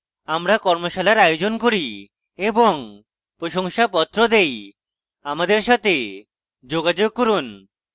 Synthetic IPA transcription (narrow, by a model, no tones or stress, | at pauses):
amɾakɔɾmoʃalaɾajod͡ʑonkoɾi | eboŋ | pɾoʃoŋʃapɔt̪ːɾod̪ej | amad̪eɾʃat̪e | d͡ʑoɡad͡ʑoɡ̚koɾun